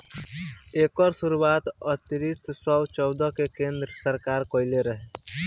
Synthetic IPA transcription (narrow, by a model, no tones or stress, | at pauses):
eːkɔɾsuɾuaːt̪ɔt̪ɾissɔwt͡ʃɔwd̪ɔkekẽnd̪ɾəsəɾkaːɾkɔɪleɾəɦɛ